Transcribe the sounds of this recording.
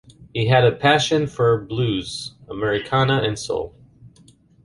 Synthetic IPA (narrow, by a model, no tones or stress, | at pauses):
hiɨɾɨpʰæʃɨ̃nfə˞blʉz̥əmɛɹɨkʰɑnəʔɨ̃nso̰lˠ